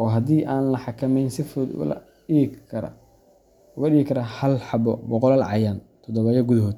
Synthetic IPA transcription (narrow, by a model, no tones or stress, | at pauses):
ʔɔːɦɐd̪iːʔaːnlɐħɑkʰɐmɛjnsɪfʊd̪̰lɐ̰ | iɐɾɐ̰ | ʊɣɐɗiːɣɪkʰɐɾɐhɐlħɑbɔbɔqɔlɐlʕɑ̰jant̪ʰɔd̪ɔβɐjɐɡʊðɐɦɔːd̪̚